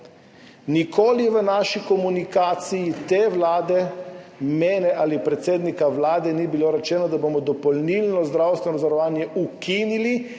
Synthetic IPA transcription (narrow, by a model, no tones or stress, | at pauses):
nikʰoːliʋənaːʃikɔmunikaːt̪sijit̪eʋlaːd̪ɛ | mɛːnɛʔaːlipɾɛt̪seːd̪nikaʋlaːd̪ɛnibiloːɾɛt͡ʃɛːnɔd̪aboːmɔd̪ɔpɔlnilnɔzd̪ɾawst̪ʋɛnɔzaɾɔʋaːnjɛʔukiːnili